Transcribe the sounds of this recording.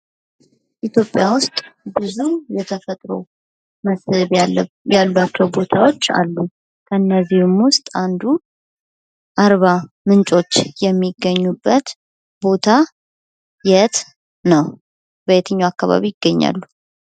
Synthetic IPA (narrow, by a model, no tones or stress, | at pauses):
ʔit̪ʰjo̞pʼjawʊst̪ʼbɨzujɛt̪ʰəfət̪ʼɾo̞̰ | məsɨβ | jalbat͡ʃːɛwbo̞t̪ʰawo̞t͡ʃːa̰lːu | kʰəɨnːəzihɪmwʊst̪ʼand̪u | ʔaɾβa | mɨnt͡ʃʼo̞t͡ʃːjɛmːiɡːəɲːubːət̪ | bo̞t̪ʰa | jɛt̪ | nəw | bəjɛt̪ʰɨɲːawakːaβa̰βijɪɡːəɲːa̰lːu